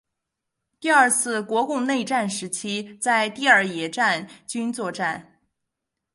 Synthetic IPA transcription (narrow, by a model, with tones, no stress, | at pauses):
t̪i˥˧ɐ˞˥˧t͡sʰɹ̩˥˩kwɔ˧˥kʊ˥˧ŋne˥˧ɪʈ͡ʂa˥˩nʂɻ̩˧˥t͡ɕʰi˥t͡sa˥˧ɪt̪i˥˧ə˞˥˩jɛ˧˥ʈ͡ʂa˥˩nt͡ɕy˥nt͡swɔ˥˧ʈ͡ʂa˥˩n